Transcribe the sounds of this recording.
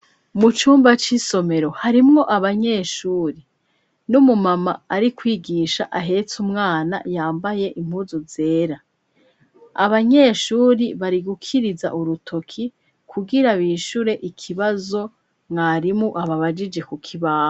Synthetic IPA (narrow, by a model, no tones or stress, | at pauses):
mut͡ʃuːmbat͡ʃiso̞me̞ɾo̞haɾimŋo̞ʔaβaɲe̞ːʃuːɾi | numumamaːɾikwiːɡiːʃa̰ʔaɦe̞t͡sumŋaːna̰jaːmbaje̞ʔim̥huːzuze̞ːɾa | a̰βaɲe̞ːʃuːɾiβaɾiɡukʰiɾiza̰ʔuɾutʰo̞kʰi | kʰuɡiɾaβiːʃuɾe̞ʔikʰiβazo̞ | mŋaɾimŋuʔaβaβad͡ʒid͡ʒe̞kukʰiβaː